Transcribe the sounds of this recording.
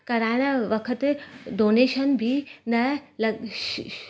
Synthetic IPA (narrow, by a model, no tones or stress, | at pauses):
kɐɾaɽaʋəkʰət̪d̪oneɕənbʱiːnəlɐ